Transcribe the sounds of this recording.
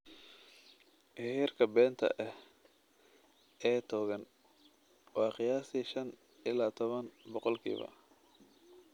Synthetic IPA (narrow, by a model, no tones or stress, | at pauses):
ʔhɪrkʰɐbɛːnt̪ʰɐ̰ʔɛh | ɛːt̪ʰɔːɣɐn | wɑːqɪjaːsiːʃɐn | ʔɪlaːt̪ʰɔβɐnbɔqɔlkʰḭːβɐ̰